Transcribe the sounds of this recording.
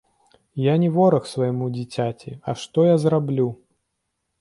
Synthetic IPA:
janʲɛvɔɾɐxsvɐjimud͡zʲit͡sʲat͡sʲḭɐ̰ʂt̪ɔjazrablʲu

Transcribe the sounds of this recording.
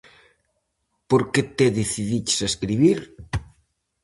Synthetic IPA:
poɾket̪eðeθiðit͡ʃsaskɾiβiɾ

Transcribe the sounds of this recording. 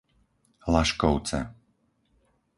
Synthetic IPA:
laʃkɔʊt͡sɛ̰

